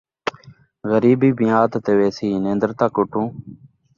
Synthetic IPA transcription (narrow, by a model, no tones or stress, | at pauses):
ɣəɾiːbiːbɪjaːt̪ːt̪eːʋeːsiːnẽːnd̪əɾt̪aːkoːʈũː